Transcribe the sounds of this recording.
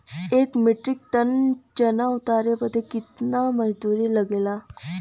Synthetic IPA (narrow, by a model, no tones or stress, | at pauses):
ekmeʈɾik̚ʈənt͡ɕənaut̪aɾepəd̪ʱːekit̪naməd͡ʑd̪uɾiːləɡela